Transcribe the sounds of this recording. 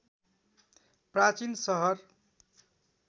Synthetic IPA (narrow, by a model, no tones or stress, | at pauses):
prat͡sinsʌɦʌr